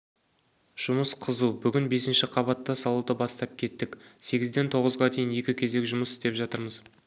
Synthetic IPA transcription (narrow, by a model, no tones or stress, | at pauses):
ʒ̥ʊməsqʰəzubʏɡʲɪnbe̞sɪnʃɪqʰɑβɑt̪ːɑsɑlˠud̪əbɑst̪ɑp̚kʲʰe̞t̪ːɪkse̞ɡʲɪzd̪e̞nt̪ʰo̞ʁəzʁɑd̪ʰe̞jɪnje̞kʲɪkʲʰe̞ze̞kʒʊməsɪst̪e̞pʒɑt̪əɾməz̥